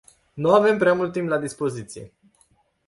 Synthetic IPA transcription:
nuave̞mpɾeamult̪ːimplad̪ispo̞zit̪sijḛ

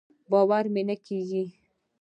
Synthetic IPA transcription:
bɑwaɾmenakiɡi

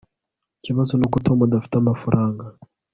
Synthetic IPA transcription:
kiβazɔnɔkutʰɔmaɗaftamafuɾʔaŋɡa

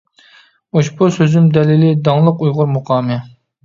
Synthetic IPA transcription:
oʃbusøzymd̪ɛlɪlɪd̪ɑŋlˠəqujʁʊɾmuqʰɑːmɨ

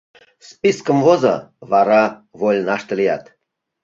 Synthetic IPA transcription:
spiskəmvozə̰vɑɾɑvolʲnɑʃt̪ə̆lʲijɑt̪

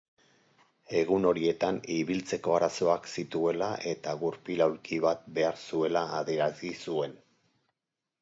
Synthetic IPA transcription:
e̞ɣ̞uno̞ɾie̞t̪aniβilt͡se̞ko̞aɾaso̞aksit̪ue̞laʔe̞t̪aɣuɾpilawɾkʰiβat̪̚be̞aɾsue̞laːðieɾazisue̞n

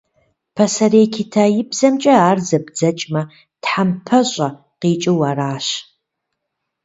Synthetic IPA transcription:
pʰɐsɐɾeːkʰɪtʰajɪbzɐmt͡ʃʼɐaːrzɐbd͡zɐt͡ʃʼmɐ | tħampʰɐɕʷʼɐ | qiːt͡ʃʼɪwaraːɕ

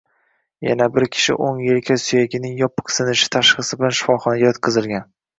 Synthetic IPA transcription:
ja̰nabɪɾkʲʰɪ̥ʃɪ̰ʔoŋjelkʲʰasʊjaɡʲɪnɪŋjɒpʰːɨ̥qsɪnɪʃɪ̥t̪ʰaʃχɨsɪbɪlanʃɪ̥fɒχɒnaɡʲajɒt̪̚qʰɨzɪlˠɡʲan

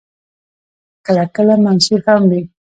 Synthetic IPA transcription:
kalakalamansixambi

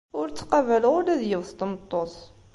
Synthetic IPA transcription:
ʊɾt͡sːqɑvæləʁʊlæðjəvθt̪mt̪ˤːoθ

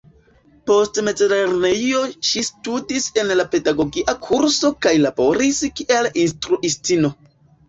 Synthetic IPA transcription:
po̞stme̞d͡zeleɾneio̞ʃistudise̞nlape̞daɡo̞ɡiʔakʰuɾso̞kajlabo̞ɾiskiʔalinstɾuʔistino̞

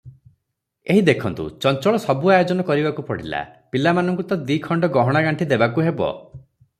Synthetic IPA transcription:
eɦid̪ekʰɔnt̪ṵt͡ʃɔnt͡ʃɔɭɔsɔbuajod͡ʒɔnɔkɔɾibakupɔɽ̤ḭla̰pilamanɔŋkut̪ɔd̪ikʰɔɳɖɔɡɔɦɔɽ̃aɡaɳʈʰid̪ebakuɦebɔ̰

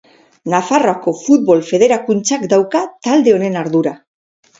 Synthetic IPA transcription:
nafaro̞ako̞fut̪̚βo̞lfe̞ð̞e̞ɾakunt͡sakd̪awkat̪ald̪e̞o̞ne̞naɾðuɾa

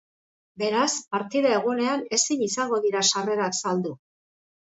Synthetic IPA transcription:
be̞ɾaspaɾt̪iðae̞ɣ̞une̞ane̞siɲisaŋɡo̞ðiɾaʃare̞ɾaksald̪u

